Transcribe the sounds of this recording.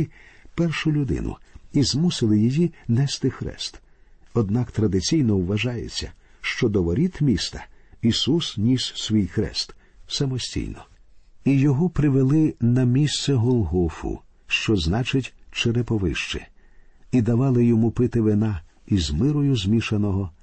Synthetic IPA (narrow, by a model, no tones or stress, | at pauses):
pɛrʃʊlʲʊd̪ɪ̰nʊ̰izmusɪlˠɪjijinɛst̪ɪxɾɛ̰st̪ | ɔd̪nɑkt̪ɾɐd̪ɪt͡sʲijnɔwʋɐʒɑjḛt͡sʲːɐ̰ | ʃt͡ʃɔd̪ɔʋɔɾʲit̪mʲist̪ɐ̥isusnʲissʋʲijxɾɛ̰st̪ | sɐmɔsʲtʲḭjnɔ | ijɔɦɔpɾɪʋelˠɪnɐmʲist̪sɛɦɔlˠɦɔfʊ̰ | ʃt͡ʃɔznɑt͡ʃɪtʲt͡ʃeɾɛpɔʋɪ̰ʃt͡ʃɪ̰ | id̪ɐʋɑlˠɪjɔmupɪt̪ɪʋɪnɑ | izmɪɾɔjʊzmʲiʃɐnɔɦɔ